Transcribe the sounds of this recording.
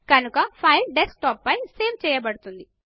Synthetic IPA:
kɐnukɐpʰɐjlɖesk̚ʈɔːpːɐjse̞ːʋt͡ʃɛːjɐbɐɽut̪und̪i

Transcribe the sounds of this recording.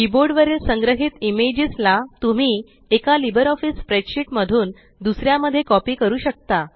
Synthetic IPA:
kiboɾɖʋəɾelsə̃ŋɡɾəɦit̪imed͡ʑislat̪um̤iː | ekalibəɾɔfiːspɾeɕiʈməd̪ʱuːn | d̪usɾjaməd̪ʱːjekɔpiːkəɾuːɕək̚t̪a

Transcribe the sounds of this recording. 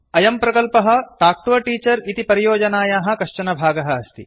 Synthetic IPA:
ɐjɐmpɾɐkɐlpɐɦɐ̆t̪aːk̚ʈ̪ʋɐʈiːt͡ʃɐɾit̪ipɐɾijoːd͡ʒɐnaːjaːɦɐ̆kɐʂt͡ʃɐnɐbʱaːɡɐɦɐɐst̪ḭ

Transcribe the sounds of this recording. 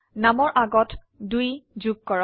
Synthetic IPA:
namɔɹʔaɡɔt | dujzuɡ̚kɔɹa

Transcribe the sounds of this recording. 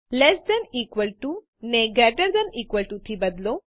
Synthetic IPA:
lɛsd̪ɛ̃nikʋəlʈu | neɡɾɛʈəɾd̪ɛ̃niːkʋəlʈut̪ʰibɐd̪lo

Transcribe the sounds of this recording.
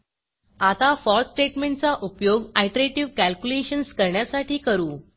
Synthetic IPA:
at̪afɔɾsʈeʈmẽɳʈt͡saʔupjoɡajʈəɾeʈiʋkælkjuleɕənskəɾɳjasaʈʰiːkəɾuː

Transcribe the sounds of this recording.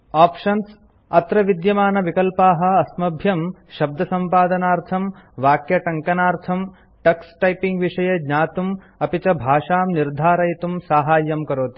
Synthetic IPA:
aːpʃɐns | ɐt̪ɾɐʋid̪jɐmaːnɐʋikɐlpaːɦɐ̆ɐsmɐbʱjɐm | ʃɐb̚d̪ʱɐsɐmpaːd̪ɐnaːɾt̪ʰɐmʋaːkjɐʈɐŋkɐnaːɾt̪ʰɐm | ʈɐksʈɐjpiŋɡʋiʂɐjɐɡɲaːt̪um | ɐpit͡ʃɐbʱaːʃaːmniɾd̪ʱaːɾɐjit̪umsaːɦaːjːɐmkɐɾoːt̪i̥

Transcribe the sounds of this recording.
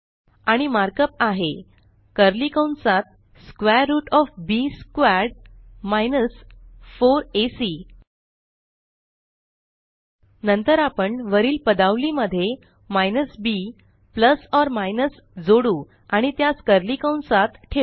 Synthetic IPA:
aɽ̃imaɾkəpaɦe | kəɾlikəwɳsat̪̚ | skʋɛɾːuːʈɔfbiskʋaɾɖmajnəsfoɾesi | nənt̪əɾapəɳʋəɾiːlpəd̪aʋliməd̪ʱːje | majnəsbi | pləsɔɾmajnəs | d͡zoɽu | aɽ̃it̪jaskəɾlikəwɳsat̪ʈʰe

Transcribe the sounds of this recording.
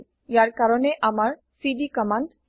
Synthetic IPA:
jaɾkaɾɔneʔamaɹ | siɖikɔmaɳɖ

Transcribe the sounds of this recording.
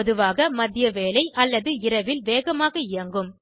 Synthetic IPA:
ɔðɯʋaːɣɐmɐðɪjɐʋeːlɐɪʔɐlːɐðɯɪɾɐʋɪlʋeːɣɐmaːɣɐɪɾɐŋɡɯm

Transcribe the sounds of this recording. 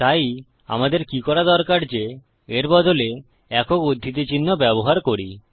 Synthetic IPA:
t̪aj | a̰mad̪eɾkikɔɾad̪ɔɾkaɾd͡ʑe | eɾbɔd̪ole | ɛkokod̪ʱːit̪̬et͡ɕinːobɛboɦaɾkoɾi

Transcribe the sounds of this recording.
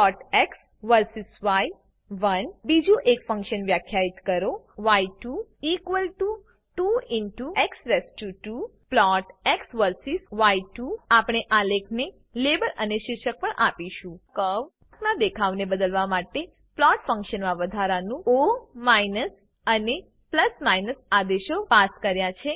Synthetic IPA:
ɔʈeks | ʋəɾsisʋai | ʋənbid͡ʒũʔekfə̃ŋkʃənʋjakʰjait̪kəɾoʋajʈuikʋəlʈu | ʈuinʈueksɾeskjuʈu | plɔʈeksʋəɾsisʋaiʈuapɽ̃eʔalekʰne | lebələneʃɪɾʃək̚pəɳʔapiʃũkəʋ | knãd̪ekʰaʋnebəd̪əlʋamaʈe | plɔʈfə̃ŋkʃənmãʋəd̪ʱaɾanũomainəs | əne | pləsmaijnəsad̪eʃopaskəɾjat͡ʃʰe

